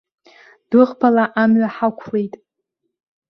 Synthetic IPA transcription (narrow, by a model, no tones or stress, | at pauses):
d̥ɨʁbʰalaʔamɥaħakʷʰlejtʼ